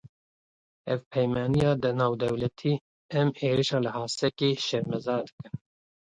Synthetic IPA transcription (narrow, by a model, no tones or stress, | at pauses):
ɛvpʰɛjmɑːnijɑːd̪ɨnɑːwd̪ɛwlɛt̪ʰiː | ɛmeːɾiʃɑːlɨhɑːsɛkeːʃɛɾmɛzɑːɾd̪ɨ̥kɨn